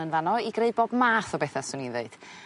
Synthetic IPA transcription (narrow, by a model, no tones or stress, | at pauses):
ənvanɔiɡreɨboːbmaːθɔbɛθasʊninðeɨd̥